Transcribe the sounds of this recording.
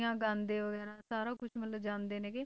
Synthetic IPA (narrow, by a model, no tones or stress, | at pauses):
ãːɡãːnd̪eːʋəɡɛːɾãːsaːɾãːkʊʃʰmət̪ləd͡ʒãːnd̪eːneːkɪ